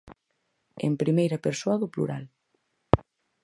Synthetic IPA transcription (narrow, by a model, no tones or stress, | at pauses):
ḛmpɾimejɾɐpeɾsoɐðʊplṵɾa̰l